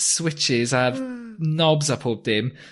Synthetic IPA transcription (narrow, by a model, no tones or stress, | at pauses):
swɪt͡ʃɪzəvnɔbzəpʰɔb̚d̥ɪm